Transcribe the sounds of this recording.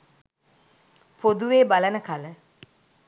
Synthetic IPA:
pʰod̪uʋeːbalənəkalə

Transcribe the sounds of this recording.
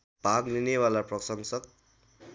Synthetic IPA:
b̥ʱakninewalaprʌsʌŋsʌk

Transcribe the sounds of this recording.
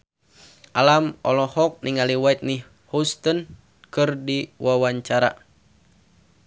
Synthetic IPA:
ʔalamɔlɔhɔk̚niŋaliwait̪̚ni | hust̪ɔn | kɨrdiwawaɲt͡ʃaɾa̰

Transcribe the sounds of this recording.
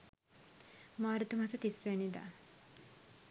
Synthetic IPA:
maːɾut̪umɦɐsɐt̪isenid̪a̰

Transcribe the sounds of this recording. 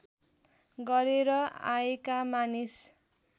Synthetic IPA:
ɡʌɾeɾʌa̰ekamanis

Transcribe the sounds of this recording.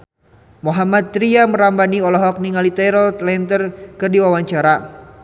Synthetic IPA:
moɦamat̪̚ːɾiaməɾambaniɔlɔɦɔk̚niŋalit̪ɛɾɔlt̪lɛnt̪ərkərdiwawaɲt͡ʃaɾa

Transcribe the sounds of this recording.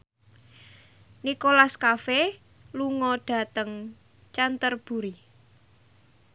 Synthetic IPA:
nikolaskafe | luŋɔɖ̥ä̤t̪əŋ | t͡ʃant̪ərb̥ṳɾi

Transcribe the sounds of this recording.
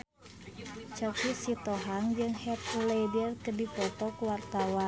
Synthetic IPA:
t͡ʃɔksisit̪ɔɦaŋd͡ʒɨŋhɛt̪ledərkədipɔt̪ɔkuwart̪awan

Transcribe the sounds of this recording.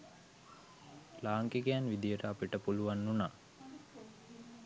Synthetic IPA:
laːŋkeɡejanʋid̪ijəʈəapiʈəpuluʋanːunaː

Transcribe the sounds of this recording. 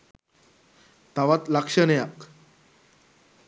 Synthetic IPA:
t̪aʋat̪lakʂənejak

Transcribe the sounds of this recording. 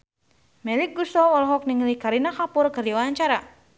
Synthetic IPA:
mɛlik̚ɡusɔwɔlɦɔk̚niŋlikaɾinakapʊrkɨrdiwaɲt͡ʃaɾa

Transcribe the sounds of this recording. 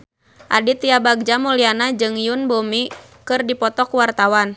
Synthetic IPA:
ʔadit̪iabaɡ̚d͡ʒamulianad͡ʒɨŋjunbomi | kɨrdipɔt̪ɔkuwart̪awan

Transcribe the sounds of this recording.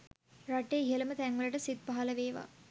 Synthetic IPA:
ɾaʈːeiɦɐlɐmət̪ɛŋʋɐlɐʈɐsid̪̚baɦɐlɐʋeːʋa̰

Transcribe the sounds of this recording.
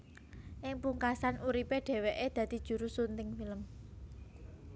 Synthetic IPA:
ʔɪŋpuŋkasanuɾipeɖ̥ɛ̤weʔed̪̥ä̤d̪̥i̤d̥ʒ̥ṳɾusunt̪ɪŋfiləm

